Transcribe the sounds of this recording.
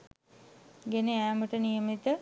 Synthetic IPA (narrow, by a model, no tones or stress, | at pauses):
ɡeneæːməʈənijəmit̪ə